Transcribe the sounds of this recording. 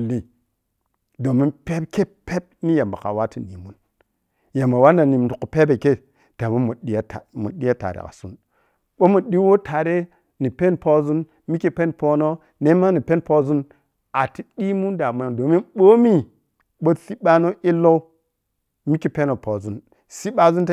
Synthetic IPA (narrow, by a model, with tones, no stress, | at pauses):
lːi˦ | do˨mi˦pe˦pke˦pe˦b̚ni˦ja˨mba̰˨ka̰˨wa˦ti˨nḭ˨mu˦n | ja˨mba˨wa˦nda˨ni˨mu˨u˨ku˨pe˦be˨ke˦ | d̥a˨mo˦mu˨ɗi˦ja˦ta˨mṵ˨ɗi˦a˦ta̰˨ɾḛ˨ka̰˨su˦n | ɓo˦mu˨ɗi˦wo˦tʰa˨ɾe˦ | ni˨pe˦npo˦zu˦n | mi˦ki˦pe˦npo˦no˦ | ne˦ma˦ni˨pe˦npo˦zu˦n | a˨ti˦di˦mu˦nda˨mu˨do˨mi˦ɓo˦mi˦ | ɓo˦si˦ɓa˦no˦ʔi˦lo˦ | mi˦ki˨pe˦no˨po˨zu˦n | si˦ɓa˦zu˦t